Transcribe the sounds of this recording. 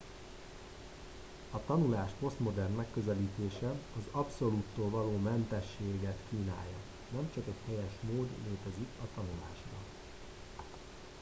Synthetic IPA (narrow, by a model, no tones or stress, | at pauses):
ɒt̪ɒnulaːʃpo̞st̪mo̞d̪ɛrnmɛkːøzɛliːt̪eːʃɛɒzɒpso̞lut̪ːoːlvɒloːmɛnt̪ɛʃːeːɡɛt̪kiːna̰ːjːɒ | nɛmt͡ʃɒkɛchɛjɛʃmoːd̪leːt̪ɛzikɒt̪ɒnula̰ːʃbɒ̰